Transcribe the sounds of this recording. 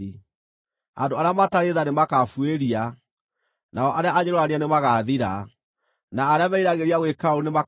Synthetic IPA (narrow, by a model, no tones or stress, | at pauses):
i | andoaɾeamataɾeðanemakafweɾia | naɔʔaɾeaaɲoɾɔanianemaɣaðiɾa | naːɾeamaiɾaɣeɾiaɣwekaonema